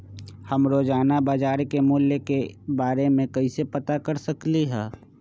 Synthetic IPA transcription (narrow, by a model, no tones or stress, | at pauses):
hɐmɾoːd͡ʒaːnabaːd͡ʒaːɾkemʊljəkebaːɾemẽkɐisepɐt̪akɐɾsɐkliɦɛː